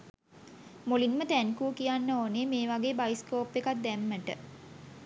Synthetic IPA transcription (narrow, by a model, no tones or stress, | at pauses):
molinmət̪ænkuːkijanːəoːneːmeːʋaɡeːbajskoːpːekat̪̚d̪æmːəʈə̰